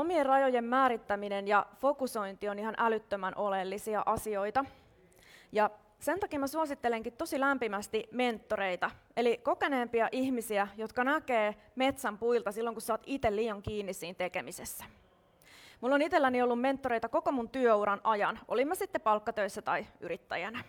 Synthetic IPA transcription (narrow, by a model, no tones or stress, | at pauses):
omierrɑjojemːæːɾit̪ːæminenjɑfo̞kuso̞int̪io̞niɦɑnʔælyt̪ːømænʔo̞lelːisiɑʔɑsio̞it̪ɑ | jɑ | se̞nt̪ɑkiːmæsuɑsit̪ːeleŋkit̪t̪o̞silæmpimæst̪ime̞nt̪ːo̞ɾeit̪ɑ | e̞liko̞ke̞ne̞ːmpiɑʔiçmisiæjo̞t̪kɑnæke̞ː | me̞t̪sæmpuilt̪ɑsilːoŋkussɑːt̪it̪elliːjɑŋkiːnːissiːnt̪e̞ke̞misesːæ̥ | mulːonit̪elːæniolːumme̞nt̪ːoɾe̞jt̪ɑko̞ko̞munt̪yøuɾɑnʔɑjɑnʔo̞limːɑsit̪ːepɑlkːɑt̪øisːæt̪ɑiyɾit̪ːæ̰jænæ